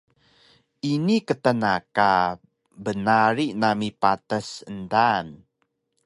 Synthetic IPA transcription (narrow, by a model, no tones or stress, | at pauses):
inikətənaka | bənaɾinamipatəsəndan